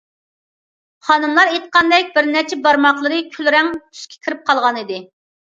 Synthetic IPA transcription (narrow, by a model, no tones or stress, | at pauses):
χɑnɨmlˠɑɾet̪̚qɑnd̪ɛk̚ʲbɪɾnɛt͡ʃʰɛbɑɾmɑχlˠəɾɨkʲʰylɾɛŋt̪ʰy̥ʃkʲʰe̥kʲʰiɾɪp̚qʰɑlˠʁɑnɨd̪ɪ